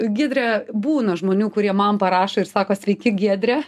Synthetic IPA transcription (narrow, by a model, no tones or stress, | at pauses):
ɡʲiɛd̪ʲɾʲɛbuːnɐʒmoːnʲuːkʊɾʲiɛmɐmpɐɾɑːʃoːɪrsɑːkoːsʲʋʲɛɪkʲɪɡʲiɛd̪ʲɾʲɛ